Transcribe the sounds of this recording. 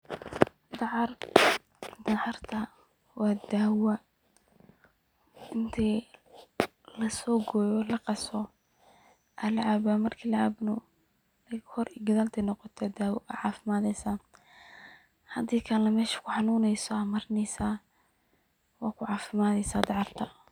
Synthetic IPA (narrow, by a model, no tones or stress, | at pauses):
d̪ɑʕɑr | d̪ɑʕɑrt̪ʰɐ | wɑːd̪aːwɐ | ɪnt̪ʰɛ | lɐsɔːɡɔːjɔlɐqɑsɔ | ʔalɐʕabamɐrkʰiːlɐʕabnʊ | hɔriɡɐðaːlt̪ʰɛnɔqɔt̪ʰɛd̪aːwɔʔɐʕɑːfɪmaːðɛjsaː | hɐd̪iːkʰɐlɐmɛːʃi̥kʰʊħɑnuːnɛjsɔɐmɐɾɪnɛjsaː | wɑːkʰʊʕɑːfɪmaːðɛjsaːd̪ɑʕɑrt̪ʰɐ